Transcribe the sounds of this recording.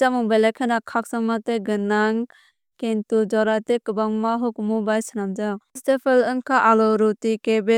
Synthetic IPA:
t͡ʃamuŋbelakʰanakʰaksaŋmat̪eɡɯnaŋ | kentud͡ʒɔɾat̪ekɯbaŋmaɦukmubajsənamd͡ʒaŋstepʰəlɯŋkʰaʔalɔɾutikebe

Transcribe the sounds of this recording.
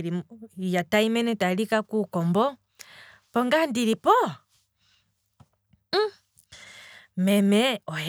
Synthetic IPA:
ɾijataimɛnɛtalikakukɔmbɔ | pɔŋɡandiɾipɔ | mɛmɛɔj

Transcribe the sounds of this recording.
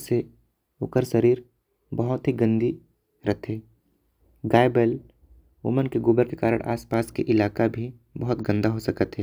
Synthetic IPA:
se | ʊkəɾʃəɾiːɾ | bɐɦʊt̪ɦiɡə̃nd̪i | ɾɐt̪ɦeː | ɡaːebəl | ʊ̰mənkeɡʊbəɾkekaːɾə̰ɽ̃ʔa̰ːspaːskḛʔɪlaːkabʱi | bɐɦʊt̪ɡə̃nd̪aɦosɐkət̪ɦɛː

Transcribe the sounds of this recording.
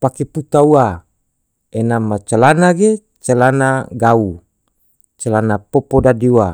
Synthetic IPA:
pakeput̪aua | enamat͡ʃalanaɡe | t͡ʃalanaɡau | t͡ʃalanapopodadiuwa

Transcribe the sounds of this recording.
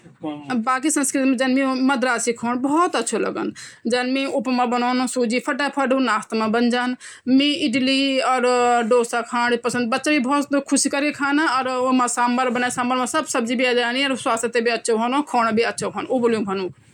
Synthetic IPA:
baːk̬isə̃nskɾɪt̪mẽd͡ʒɐnmĩmɐd̪ʱɾaːsikʰoːnbɔɔt̪ətːʃʰolə̰ɡə̰nd͡ʒɐnmĩʊpmãbənoːnsuːd͡ʒipʰɐʈapʰəʈũnaːt̪mãbənd͡ʒaːn | mĩɪɖliɔːɾɖoːsakʰãːnpəsə̃nd̪̚bɐtːʃabibɔːt̪kʰʊsikəɾekʰaːnaɔːɾomãsaːmbəɾbənasãːmbəɾmãsəbsɐb̚d͡ʒibʱiaːd͡ʒaːniɔɾswaːst̪et̪ebʱiɐtːʃʰoboːnõkʰoːñbʱiɐtːʃʰokʰoːnoboljũbʱɐnũː

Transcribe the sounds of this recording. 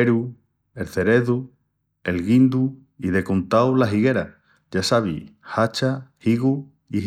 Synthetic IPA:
eɾu | e̞lθe̞ɾe̞ðu | e̞lɣind̪u | iðe̞kont̪awlaɦiɣe̞ɾa | ʝasaβḭhat͡ʃahiɣu | i

